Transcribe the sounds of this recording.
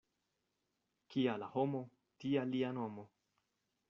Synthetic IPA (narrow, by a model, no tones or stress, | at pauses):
kialahomo | tialianomo